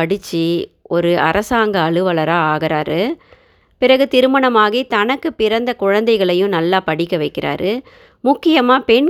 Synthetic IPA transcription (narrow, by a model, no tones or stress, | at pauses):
ɐɽɪt͡ʃːiɔɾɯʔɐ̰ɾɐsaːŋɡɐːɭɯʋɐɭɐɾaːaːɣɪɾaːɾɯ | pɪɾɐɣɯt̪ɪɾɯmɐɳɐmaːɣiːt̪ɐnɐkːɯpɪɾɐnd̪ɐkʊɻɐnd̪ɐɪɣɐɭɐjʊ̃nɐlːaːpɐɽɪkːɐʋɐɪkːɪɾa̰ːɾɯ | mʊkːɪjɐmaːpɛɳ